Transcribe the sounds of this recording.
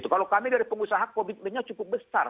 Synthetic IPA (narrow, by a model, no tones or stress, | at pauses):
t̪ukalokamidaɾipəŋusaɦak̚pobit̪̚bəɲat͡ʃukʊp̚bəsar